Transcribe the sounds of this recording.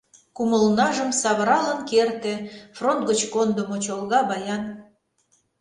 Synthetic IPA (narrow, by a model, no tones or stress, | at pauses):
kuməlnɑʒəmsɑβəɾɑlənkert̪ĕfront̪̚ɡət͡ɕkond̪əmot͡ɕolˠɣɑbɑjɑn